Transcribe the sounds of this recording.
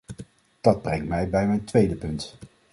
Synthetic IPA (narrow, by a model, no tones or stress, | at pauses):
d̥ɑd̚brɛŋtmɛjbɛjmɛjntʋejdəpɵnt